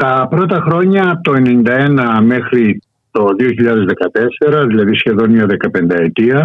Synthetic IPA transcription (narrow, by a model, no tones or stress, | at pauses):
t̪ɐpɾo̞t̪ɐxɾo̞ɲɐt̪o̞e̞ne̞nind̪ɐe̞nɐme̞xɾi | t̪o̞ðio̞çiʎɐðe̞zðe̞kɐt̪e̞se̞ɾɐðilɐðisçe̞ðonɲɐðe̞kɐpe̞nd̪ɐe̞t̪iɐ